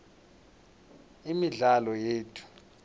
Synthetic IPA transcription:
imiɮalɔjeːtʰu̥

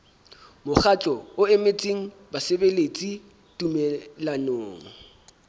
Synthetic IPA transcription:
mʊχat͡ɬʼɔʊɪmet͡sʼiŋ̩ | basebelet͡sʼi | tʼumɛlanoːŋ̩

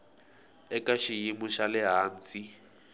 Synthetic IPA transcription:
ɛkʼaʃijimʊʃalɪɦaːn̩t͡si

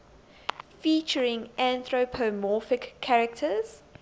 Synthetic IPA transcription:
fiˑt͡ʃəɹɪ̃ŋʔæ̃nθɹopʰomɔˑfɪkʰːaɹɛk̚tʰəz̥

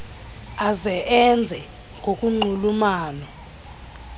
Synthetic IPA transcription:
azɛʔɛnd͡zʱɛ | ŋʱokʼuŋ͡ǃʱulumaːnɔ

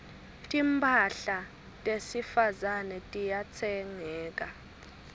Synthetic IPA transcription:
tʼimpʰʼaɬa | tʼesifazanɛtʼijat͡sʰɛŋɛːk̬ʼa

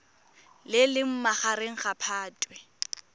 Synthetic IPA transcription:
lɪlɪm̩maχaɾeŋ̩χapʰaːtʼwɛ

